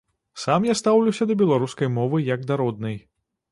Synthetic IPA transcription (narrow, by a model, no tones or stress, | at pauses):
samjast̪awlʲuwsʲɐd̪ɐbʲɛlˠaɾuskɐjmɔvɨjɐɡd̪aɾɔd̪nɨj